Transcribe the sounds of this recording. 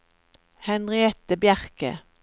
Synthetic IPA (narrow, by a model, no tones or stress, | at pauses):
hɛnʁɪɛt̪əbjæʁkə̰